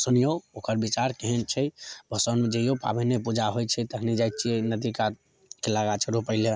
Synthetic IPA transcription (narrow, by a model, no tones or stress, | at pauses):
sunijookəɾbit͡ʃaɾkeɦɛnt͡ʃʰɛbʱəsəned͡ʒejopa̰bɛnepud͡ʒaɦojt͡ʃʰɛt̪əɦnid͡ʒajt̪̚t͡ʃʰienəd̪ika | keləɡat͡ʃʰəɾopəɦle